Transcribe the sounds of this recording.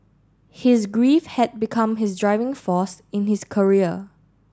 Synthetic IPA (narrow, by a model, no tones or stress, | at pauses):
hɪsɡɹifhɛt̚bikʰãmɦɪsdɹaɪvɪ̃ŋfɔsɪ̃nhɪskʰəɹiə